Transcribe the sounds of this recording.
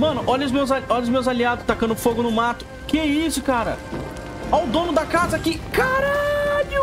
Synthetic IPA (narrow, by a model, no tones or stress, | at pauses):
mɐ̃nʊʔɔʎɐʊzmewzaɔʎɐʊzmewzaliad̪ʊst̪akɐ̃nd̪ʊfoɡʊnʊmat̪ʊ̥ | kɪɛisʊkaɾɐ̰ | awd̪õnʊd̪ɐkazɐkɪkaɾaʎʊ